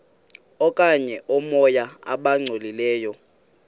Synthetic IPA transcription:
ɔkʼaɲɛʔɔmɔjaa̰ɓaŋ͡ǀʱolilɛːjɔ

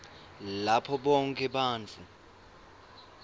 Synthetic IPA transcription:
lapʰɔɓɔŋkʼɛɓaːnt͡fʰu

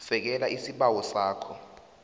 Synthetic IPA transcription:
fɛk̬ɛlaʔisiɓawɔsaːkʰɔ

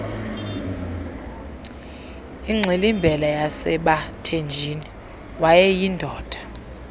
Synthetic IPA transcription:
iŋ͡ǀʱelimbʱɛlajasɛɓatʰend͡ʒʱini | wajɛjindʱɔːd̥ʱḁ

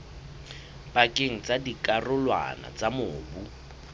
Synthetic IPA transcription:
pakʼeŋ̩t͡sadikʼarʊlwa̰na̰t͡samʊːbu

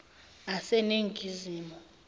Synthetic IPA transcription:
asɛneŋɡʱiziːmɔ

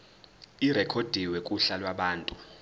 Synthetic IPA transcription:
irɛkʰod̥ʱiwɛkʼuɬalwaɓaːntʼu

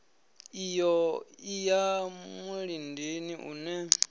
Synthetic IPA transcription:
ijɔijamuɺindeniʔṵnɛ

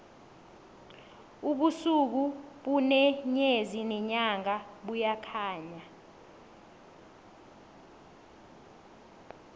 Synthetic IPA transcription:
uɓusuk̬uɓunɛɲezinɛɲaŋaɓujakʰaːɲa

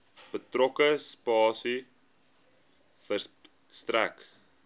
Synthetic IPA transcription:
b̥ətrɔkəspɑːsi | fər | stræk

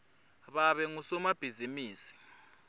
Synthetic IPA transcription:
βaβɛŋusɔmab̥ʱizimiːsi̥

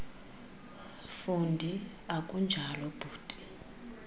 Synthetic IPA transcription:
fundʱi | akʼund͡ʒʱalɔb̥ʱuːtʼi̥

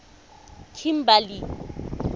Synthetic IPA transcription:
kʰim̩bali

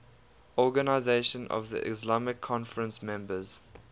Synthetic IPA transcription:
ɔɡənaɪzeɪʃə̃nʔɔ̰vðḭʔɪ̰slamɪkʰːɔ̃nfəɹə̃nsmɛ̃mbəz̥

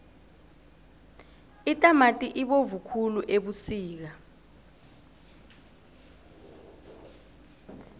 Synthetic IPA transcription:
itʼamatʼiʔiɓovukʰuluʔeɓusiːk̬a

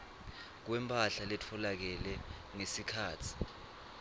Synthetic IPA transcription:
k̬wɛmpʰʼaɬalɛtʰɔlak̬ɛlɛ | ŋesikʰaːtʰi̥

